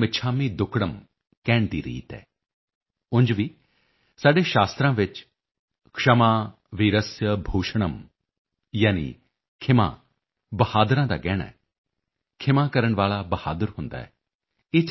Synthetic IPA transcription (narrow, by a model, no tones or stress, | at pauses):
mɪt͡ʃʰaːmiːd̪ʊkʰɽəm | kɛːɳ̃d̪ḭːɾḭːt̪ɛ̰ː | ʊ̃nd͡ʒʋiː | saːɖeːʃaːst̪ɾãːʋɪt͡ʃ | kʂəmaː | ʋiːɾəsjəbʱoːʃəɽəm | jaːnḭ | kʰɪma̰ː | bəhaːd̪ɾãːd̪a̰ːɡɛːɽa̰ːɛ | kʰɪmãːkəɾəɳ̃ʋaːlaːbəha̰ːd̪əɾɦʊ̃nd̪a̰ːɛ̰ː | eːt͡ʃ